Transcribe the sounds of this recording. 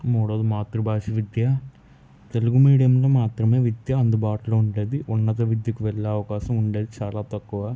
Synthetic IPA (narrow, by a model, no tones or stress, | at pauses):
muːɽɐːd̪umaːt̪ɾubaːʂiʋid̪jɐ | t̪e̞luɡumiːɽijɐmloːmaːt̪ɾɐme̞ːʋid̪jɐɐnd̪ubaːʈɐloːuɳɖeːd̪iʔunːɐt̪̬ɐʋid̪jɐkuʋɛɭːɐɐʋɐkaːʃɐmuɳɖeːd̪it͡ʃaːlaːt̪ɐkːuʋaː